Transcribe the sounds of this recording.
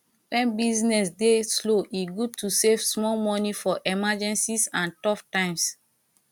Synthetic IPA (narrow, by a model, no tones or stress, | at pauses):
wɛ̃nbiznɛsdesloʔiɡud̚tusevsmɔlmɔnifɔʔɛmad͡ʒɛ̃nsisãntɔftãɪ̃ms